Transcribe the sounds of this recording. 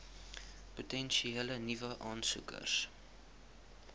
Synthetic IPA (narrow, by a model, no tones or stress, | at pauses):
putɛnʃieːlənivəʔɑːnsṵkə̰rs